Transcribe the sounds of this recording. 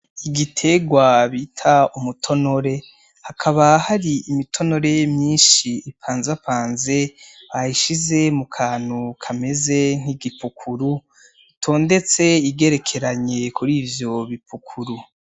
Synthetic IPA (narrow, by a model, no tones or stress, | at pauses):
iɡitʰe̞ɡwaβitʰaumutʰo̞no̞ɾe̞ | hakʰaβahaɾiimitʰo̞no̞ɾe̞mɲiːnʃiːpʰaːnzapaːnze̞haiʃize̞mukʰaːn̥hukʰame̞ze̞ŋ̥hiɡipukʰuɾu | itʰo̞ːnde̞t͡se̞iɡe̞ɾe̞kʰe̞ɾaɲe̞kʰuɾiːvjo̞βipukʰuɾu